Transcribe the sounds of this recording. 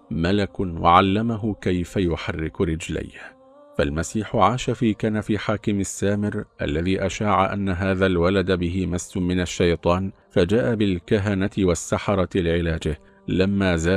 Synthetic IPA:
malakʊwa̰ʕalːamaɦʊkajfajʊħarːɪkɾɪd͡ʒla̰jh | falmasiːħʊʕaːʃafiːkanafiːħaːkɪmasːaːmɪɾʔa̰lːaðiːʔaʃaːʕa̰ʔanːaɦaːðalwalad̪bɪɦɪmasːʊmɪnaʃːajt̪ˤɑːn | fad͡ʒaːʔabɪlkaɦanat̪ɪwasːɑħɑɾˤɑlɪʕɪlaːd͡ʒɪh | lamːaːzaː

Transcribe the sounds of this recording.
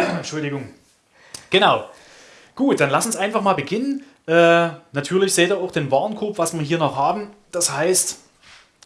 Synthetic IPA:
ʃʊldɪɡʊŋ | ɡ̥ənaʊ | ɡ̥uːt̚d̥anlasʊnsʔaɪnfaχmaːlbəɡɪnən | ʔɛːnatʰyːɐlɪçz̥eːtiːɐaʊxd̥eːnvaɐnkʰoːpvasv̥iːɐɦiːɐnɔχhaːbm̩d̥ashaɪst

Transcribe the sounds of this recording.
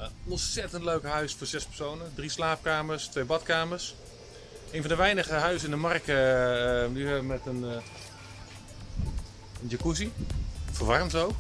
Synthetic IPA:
ɔnsɛtəntløɥkɦœɥsfoːrzɛspərsownədrislaːp̚kaːmərstʋejbɑtkaːmərs | eːnfɔ̃ndəʋɛjnəχəɦœɥsɪndəmarkə | nyɛmɛtən | ənd͡ʒəkusifərʋɑrmtowk

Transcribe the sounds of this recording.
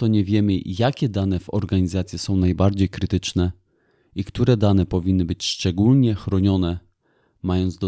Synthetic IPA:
t̪ɔɲɛvʲjɛmɘjakʲɛd̪anɛvɔ̰ɾɡaɲizat̪sʲjɛsɔ̃w̃najbaɾd͡ʑejkɾɘt̪ɘt͡ʂnɛ | ikt̪uɾɛd̪anɛpɔvʲinːɘbɘt͡ɕʂt͡ʂɛɡulɲɛxɾɔɲɔnɛ | majɔnd̪zd̪ɔ

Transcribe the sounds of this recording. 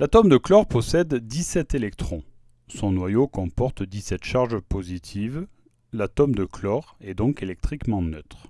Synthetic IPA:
lat̪ɔmd̪əklɔʁpɔsɛd̪ːisɛt̪elɛkt̪χɔ̃ | sɔ̃nwajokɔ̃pɔʁt̪d̪isɛt̪ʃaʁʒpozit̪ʰiv | lat̪ɔmd̪əklɔʁɛd̪ɔ̃kelɛk̚t̪χikmɑ̃nøt̪χ

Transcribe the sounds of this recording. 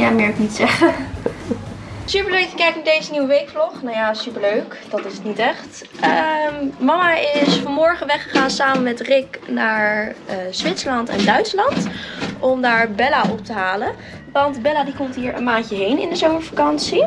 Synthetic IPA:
jaːmɪːɹknitsɛχə | sypəɹløɥkjəkɛjk̚nadejzəniwəʋejkflɔχnawjaːsypəɹløɥkd̥ɑtɪsətnitɛχt | əmmɑmaʔɪsfɑnmɔɹχənʋɛχəχaːnsaːmənmɛtrɪknaːɹz̥ʋɪtsəlɑntɛ̰ndœɥtslɑntʔɔmdaːɹbɛlaʔɔp̚təɦaːlən | ʋɑndbɛlaːdikɔmtɦiːɹə̰nmaːncəɦejnɪ̰ndəzowməɹfḁkɑnsi

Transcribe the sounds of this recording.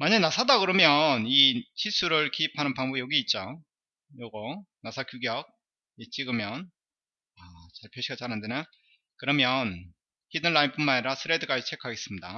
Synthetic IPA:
maɲanasʰadakɯɾʌmjʌnit͡ɕʰisʰuɾɯɭkiipʰanɯnpaŋbobijʌɡiːt̚t͡ɕ͈o | joɡʌnasʰakjuɡjʌk̚ | et͡ɕ͈iɡɯmjʌn | at͡ɕaɭpʰjoɕʰiɡat͡ɕaɾɦandena | kɯɾʌmjʌn | çidɯnlaimpʰumːaneɾasʰɯɾedɯɡat͡ɕʰe̞kʰaɡe̞s͈ɯmɲida

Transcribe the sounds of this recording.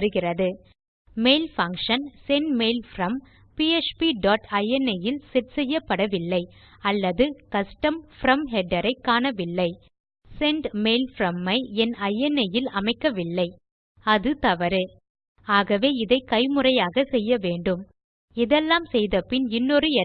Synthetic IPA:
ɐɾɯɣɪrɐðɯ | meːlfɐŋkʂɐnsɛɳɖmeːɪlfɾɐm | piet͡ʃpiɖaːʈɐjɛnɐjɪlsɛʈsɛjːɐpːɐɽɐʋɪlːɐɪ | ɐlːɐðɯkɐsʈɐmfɾɐmɦɛɖɐɾɐɪkːaːɳɐʋɪlːɐɪ | sɛɳɖmeːlfɾɐmːɐɪɛnɐjɛnɐjɪlɐmɐɪkːɐʋɪlːɐɪ | ɐðɯt̪ɐʋɐɾɯ | aːɣɐʋeːɪðɐɪkɐɪmɯrɐjaːɣɐsɛjːɐʋeːɳɖɯm | ɪðɛlːaːmsɛjðɐpɪnɪnːɔɾɯɛ

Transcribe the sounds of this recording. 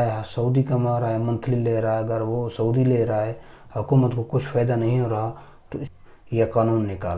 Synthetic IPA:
esɐud̪ikɐmaɾaɦemə̃nt̪ʰlileɾaaeɐɡəɾʋosɐud̪ileɾaɦe | hʊkuːmət̪kokʊt͡ʃʰfʰaːɪd̪anɐɦĩɦoɾaɦa | t̪o | jekaːnuːnːɪka̰ːl

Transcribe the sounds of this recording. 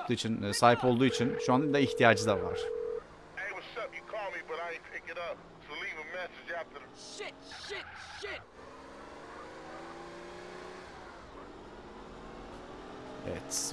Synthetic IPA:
t̪ʰuːit͡ʃʰinːsaːɦipo̞lˠd̪uːit͡ʃʰinʃuand̪aiçt̪ʰijaːd͡ʒɯd̪ava̰ɾ̥ | eɪwəʃʌp̚jɨkʰɔlˠmibʌɾaɪɨpʰɪkɪɾʌp̚ | solivəmɛsɪd͡ʒæft̪ə | ʃɪtʃɪt̚ʃɪt̚ | ɛ̰vɛ̰t̪

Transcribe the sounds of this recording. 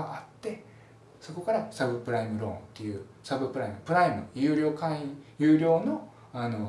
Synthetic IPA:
aat̪ːe̞ | so̞ko̞kaɾasabɯ̟pɯ̟ɾaimɯ̟ɾõ̞ːnt̪ːe̞jɯ̟ː | sabɯ̟pɯ̟ɾaimɯ̟pɯ̟ɾaimɯ̟̰jɯːɾʲo̞ːkãĩjɯ̟ːɾʲo̞ːno̞ | ano̞

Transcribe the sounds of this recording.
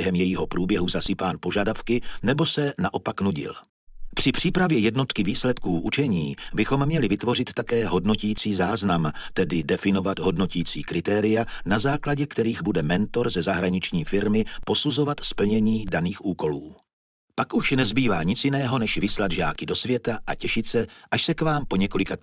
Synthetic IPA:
ɛɦɛmjɛjɪɦo̞pɾuːbjɛɦuzasɪpaːnpo̞ʒadafkɪnɛbo̞sɛnaʔo̞paknuɟɪ̰l | pr̝̥ɪpr̝̥iːpɾavjɛjɛdno̞t̪kɪviːslɛt̪kuːʔut͡ʃɛɲiːbɪxo̞mːɲɛlɪvɪt̪vo̞r̝ɪt̪ːakɛːɦo̞dno̞cijːt͡siːzaːznamt̪ɛdɪdɛfɪno̞vat̪ɦo̞dno̞ciːt͡siːkɾɪt̪ɛːɾɪjanazaːklaɟɛkt̪ɛɾiːɣbudɛmɛnt̪o̞ɾzɛzaɦɾaɲɪt͡ʃɲiːfɪɾmɪpo̞suzo̞vat̪spl̩ɲɛɲiːdaniːxʔuːko̞luː | pakʔuʃnɛzbiːva̰ːɲɪt͡sjɪnɛːɦo̞nɛʃvɪslad̪ʒa̰ːkɪdo̞svjɛt̪aʔacɛʃɪt̪sɛʔaʃsɛkvaːmpoɲɛko̞lɪka

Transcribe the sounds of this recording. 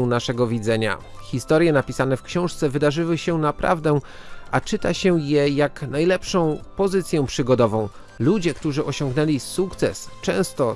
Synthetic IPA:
naʂɛɡɔvʲid̪zɛɲa̰xʲist̪ɔɾjɛnapʲisanɛfkɕɔ̃w̃ʂt̪sɛvɘd̪aʐɘwɘɕɛnapɾa̰vd̪ɛ | ʔat͡ʂɘt̪aɕɛjɛjaknajlɛpʂɔ̃w̃pɔzɘt̪sʲjɛw̃pʂɘɡɔd̪ɔvɔ̃w̃ | lud͡ʑɛkt̪uʐɘʔɔɕɔ̃ŋɡnɛlʲisukt̪sɛst͡ʂɛ̃w̃st̪ɔ

